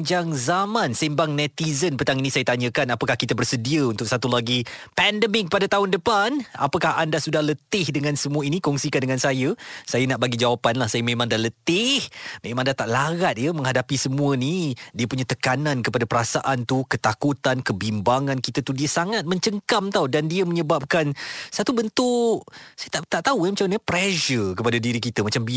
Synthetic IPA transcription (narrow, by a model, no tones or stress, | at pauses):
d͡ʒaŋzamãnsimbaŋnɛt̪izənpət̪aŋinisajət̪aɲə̃kanapakahkit̪abərsədiəunt̪ʊk̚sat̪ulaɡipɛndəmɪk̚padat̪aɦʊndəpana̰pakaɦandasudahlət̪ɪhdəŋansəmũəinikɔŋsikandəŋansajəsajənaʔbaɡid͡ʒawapanlahsajəmẽmãŋdalət̪ɪhmemãŋdat̪aʔlaɣat̪̚jəmə̃ŋɦadapisəmũənidiəpuɲat̪əkanãnkəpadapəɾasaʔant̪ukət̪akut̪ankəbimbaŋãnkit̪at̪udiəsaŋat̪̚mə̃ɲt͡ʃəŋkamt̪awdandiəməɲəbap̚kansat̪ubənt̪ʊʔsajət̪at̪aʔt̪aujamat͡ʃanəpɾɛʃərkəpadadiɾikit̪əmat͡ʃambi